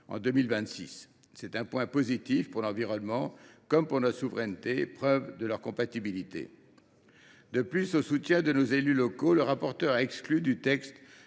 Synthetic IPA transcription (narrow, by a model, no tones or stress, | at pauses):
ɑ̰̃d̪ømilvɛ̃t̪sḭsː | ɛt̪ɛ̃pwɛ̃pozit̪ifpuʁlɑ̃viʁɔnmɑ̃kɔmpuʁnɔt̪χsuvʁɛnt̪epχœvd̪əlœʁkɔ̃pat̪ibilit̪ḛ | d̪əplysosut̪jɛ̃d̪ənozelylɔkoləʁapɔʁt̪œʁaɛksklyd̪yt̪ɛkst̪